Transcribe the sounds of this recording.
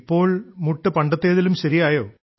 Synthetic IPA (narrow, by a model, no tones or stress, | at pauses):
pːo̞ːɭmuʈːɨpɐɳɖɐt̪ːe̞ːðilumɕɐɾijaːjoː